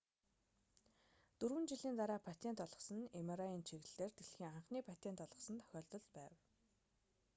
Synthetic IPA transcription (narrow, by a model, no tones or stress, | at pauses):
t̪ɵɾwɘ̆nt͡ɕiɮiːnt̪aɾaːpʰat̪ʲʰent̪ɔɮʁɞ̆sə̆nemaɾaiːnt͡ɕʰeɣ̆ɮeːrt̪eɮxiːŋaɴχniːpʰat̪en̥t̪ɔɮʁɞ̆sə̆nt̪ʰœ̥xʲɔːɮt̪ɞ̆ɮt̪pæːw